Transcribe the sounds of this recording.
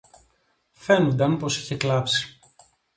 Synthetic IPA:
fe̞nund̪ɐmpo̞si̥çe̞klɐpsi̥

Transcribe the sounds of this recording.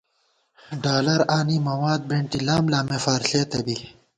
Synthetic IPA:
ɖaːlɐɾaːnimɐwaːd̪̚beɳʈilaːmlaːmefaːɾɬeːt̪ɐbi

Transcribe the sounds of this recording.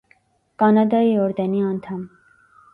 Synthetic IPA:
kɑnɑd̪ɑiɔɾd̪ɛniɑnt̪ʰɑm

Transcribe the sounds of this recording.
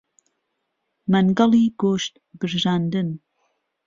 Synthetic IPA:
mɐnɡɑlˠiːɡoːʃt̪̚ | bɨɾʒaːnd̪ɨn

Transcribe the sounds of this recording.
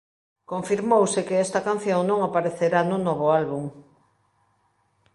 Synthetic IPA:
koɱfiɾmowsɪkɪɛst̪ɐkan̟θjoŋnõŋapaɾeθeɾanʊnɔβ̞ʊalβuŋ

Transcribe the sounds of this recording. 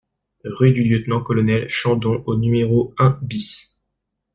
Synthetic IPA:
ʁyd̪yljøt̪nɑ̃kɔlɔnɛlʃɑ̃d̪ɔ̃ʔonymeʁoɛ̃bis

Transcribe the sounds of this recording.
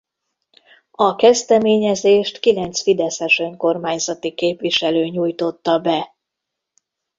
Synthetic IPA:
ɒkɛzd̪ɛmeːɲɛzeːʃt̪kilɛnt̪sfid̪ɛsɛʃø̞ŋko̞rmaːɲzɒt̪ikeːpʋiʃɛløːɲuːjt̪o̞t̪ːɒbɛ

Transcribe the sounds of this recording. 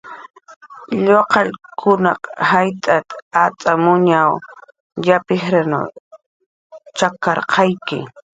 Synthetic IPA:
ʎoqɑʎkʰʊnɑqhajt̪ʼat̪at͡sʼamʊɲaw | japɪhɾanʊ̰ | t͡ʃakɑɾqʰɑjkɪ̰

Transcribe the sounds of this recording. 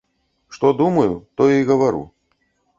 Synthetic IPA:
ʂt̪ɔd̪umɐjut̪ɔjjɣɐvaɾṵ

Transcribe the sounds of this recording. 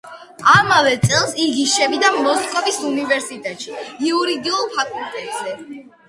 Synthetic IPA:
amavɛt̪sʼɛlˠsiɡiʃɛvid̪amɔskʼɔvisunivɛɾsit̪ʼɛt̪ʃiiuɾid̪iulˠpʰak̪ʼut̪ʼɛbzɛ

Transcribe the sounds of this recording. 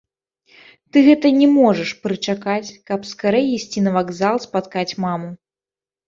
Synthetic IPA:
t̪ɨɣɛt̪ɐnʲɛmɔʐɐʂpɾɨt͡ʂakat͡sʲkɐpskaɾɛjisʲt͡sʲinɐvaɡzalˠspat̪kat͡sʲmamu

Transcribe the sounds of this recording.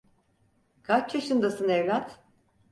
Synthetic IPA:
kʰat͡ʃt͡ʃʰaʃɯnd̪asɯnɛvlʲat̪

